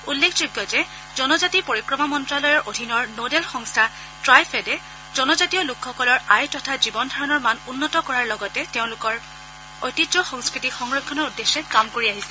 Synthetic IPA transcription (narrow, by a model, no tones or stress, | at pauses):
ulːekʰd͡ʒojɡjɔzɛ | zɔnɔzatipoɹikɹɔmamɔntɹalɔjɔɹʔodʱinɔɹnodɛlxɔŋstʰa | tɹajpʰɛdɛ | z̥ɔnɔzatiɔlukxɔkɔlɔɹajtɔtʰazibɔndʱaɹɔnɔɹmanunːɔtɔkɔɹaɹlɔɡɔtɛteʊ̃lʊkɔɹ | ojtizɔxɔŋskɹitixɔŋɹɔkʰːɔnɔɹudːesːɛkamkoɹiaɦisɛ